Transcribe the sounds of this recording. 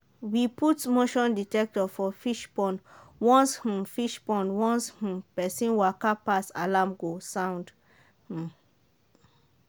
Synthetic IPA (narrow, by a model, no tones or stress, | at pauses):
wiputmoʃɔ̃nditɛk̚tɔfɔfiʃpɔ̃nwɔ̃nsh̩fiʃpɔ̃nwɔ̃nsh̩pɛsĩnwakapasa̰lãmɡosãw̃nd | h̩